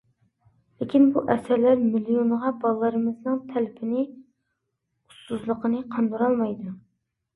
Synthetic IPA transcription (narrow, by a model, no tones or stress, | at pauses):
lɪkʲʰinbuʔɛsæɾlæɾmilijonʁɑbɑlˠlːˠɨɾɨmɨznɨŋt̪ʰælɪpʰɪnɪ | u̥st̪uzlˠəqənɨqʰɑnd̪uɾɑlˠmɑjd̪u